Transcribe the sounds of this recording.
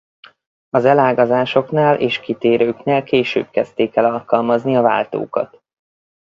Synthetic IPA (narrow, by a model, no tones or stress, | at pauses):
ɒzɛlaːɡɒzaːʃo̞knaːlʔeːʃkit̪eːɾʔøːkneːlkeːʃøːb̚kɛst̪eːkɛlɒlkɒlmɒzniɒva̰ːlt̪o̰ːkɒ̰t̪